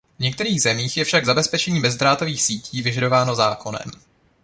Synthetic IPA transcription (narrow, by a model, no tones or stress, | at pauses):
vɲɛk̚t̪ɛɾiːɣzɛmiːxjɛfʃaɡzabɛspɛt͡ʃɛɲiːbɛzd̪ɾaːt̪o̞viːxsiːcʰiːvɪʒado̞vaːno̞zaːko̞nɛ̰m